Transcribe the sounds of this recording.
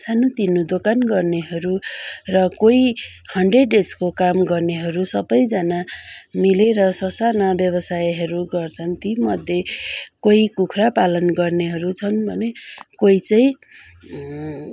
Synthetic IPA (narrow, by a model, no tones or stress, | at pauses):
sʰanut̪inːud̪okanɡʌrneɦʌɾurʌkojhʌɳɖreɖeskokamɡʌrneɦʌɾusʌbʌjd͡zʌnamileɾʌsʌsanabjʌbʌsajɦʌɾuɡʌrt͡sʰʌnt̪imʌd̪ʱjekoikukʰrapalʌnɡʌrneɦʌɾut͡sʰʌnbʱʌnekoit͡sʌĩ